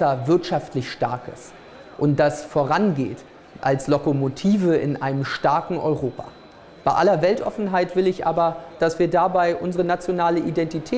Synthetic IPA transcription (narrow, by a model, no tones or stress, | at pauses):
ɐvɪɐtʃaftlɪçʃta̰ɐkə̰s | ʔʊnt̚d̥asfoːʁanɡḛːt | ʔalslokomotʰiːvəʔɪ̰nʔa̰ɪnəmʃtaɐkŋ̩ʔɔ̰ʏʁoːpʰa̰ | b̥aɪʔalɐvɛltʔɔ̰fn̩ɦaɪtv̥ɪlɪçʔa̰ːbɐd̥asv̥iːɐdabaɪʔʊnzəʁənat͡sjonaːləʔidɛntitʰɛː